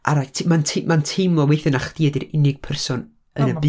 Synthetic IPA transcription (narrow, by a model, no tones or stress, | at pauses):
ʔa̰ɾajtʰmantʰimantʰemɔwejθɪnaχd̥iɛdiɾɪnɪɡ̥̚pʰɛrsɔn | ənəb